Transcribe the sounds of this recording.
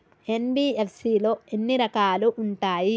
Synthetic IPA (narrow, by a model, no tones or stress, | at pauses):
e̞nbiːepsiːlo̞ːenːiɾɐkaːluʔuɳʈaːji